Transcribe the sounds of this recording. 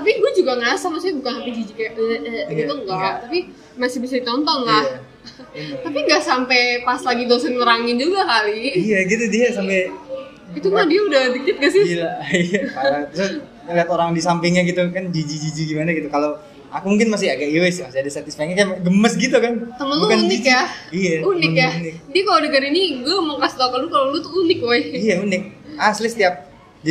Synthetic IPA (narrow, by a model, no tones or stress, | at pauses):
t̪ap̬iɡuad͡ʒuɡaŋasamas̬ibukanhapid͡ʒid͡ʒikaʔəɡiuŋɡaʔt̪api | masɪhbisadit̪ɔnt̪ɔnlah | t̪apiŋɡaʔsampejpaslaɡidosɛnŋəɾaŋɪnd͡ʒuɡakaliijaɡit̪udiasampɛ | it̪umadiaudat̪ikɪt̪̚ɡasɪlaiapaɾat̪usa | liɦat̪oɾaŋdisampɪŋɲaɡit̪ukand͡ʒid͡ʒid͡ʒid͡ʒiɡimanaɡit̪ukalo | akumuŋkɪnmas̬ɪhaɡaʔiwɛsmasɪhadast̪at̪ɪsfak̚ɲakajɡəməsɡit̪ukant̪əməntb̪ukanund͡ʒɪikjaijaunɪnjaunɪk̚diakalodəkəniniɡaməŋkast̪akalukalolut̪uunɪk̚wajijaunɪk̚aslisə̥t̪iap̚ | di